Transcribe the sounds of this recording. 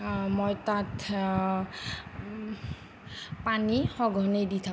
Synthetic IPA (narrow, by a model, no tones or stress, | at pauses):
mojtatʰ | panixɔɡʱɔnejditʰa